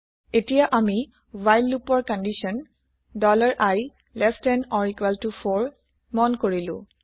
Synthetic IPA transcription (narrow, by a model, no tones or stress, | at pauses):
etijaʔami | wajlːupɔɹkɔndisɔn | dɔlaɹʔaj | lɛstɛnɔɹikwaltufʰɔɹ | mɔnkoɹilʊ̰̃